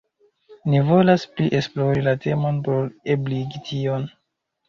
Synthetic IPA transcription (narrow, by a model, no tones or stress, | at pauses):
nivo̞laspliʔe̞splo̞ɾilate̞monpo̞ɾebliɡitʰio̞n